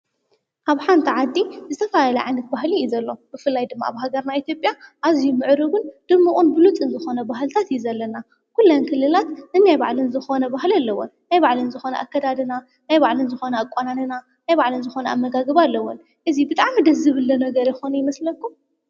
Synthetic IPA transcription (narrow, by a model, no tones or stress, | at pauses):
ʔaβħant̪ʰiʕad̪ːizɨt̪ʰɐfaaalɐʕanɨt̪̚baɦliuzɐlːo̞b̥ɨfɨlːajd̪ɨmːa̰aβɦaɡɐɾnait̪ʰjo̞pʼjaʔazijumɨʕɾɨɡund̪̥ɨɾmːukʼunbɨlut͡sʼɨnzɨxo̞nɐbaɦlt̪ʰat̪juzɐlːɐna | kulːɐnkʰɨlːɨlat̪nɨnajba̰ʕlɨnzɨxonɐbahlalːɐwo̰nnajbaʕlɨnzɨxo̞nɐ̰ʔakːɐd̪ad̪ɨna | najbaʕlɨnzɨxo̞nɐakʼːananɨna | najbaʕlɨnzɨxo̞nɐʔa̰mːɐɡaɡɐβalːɐwon | ʔɨzibɨt̪ʼaʕmid̪ɐzɨβɨlːɐnɐɡɐɾjɪxonɐjɪmɐslɐkʰːum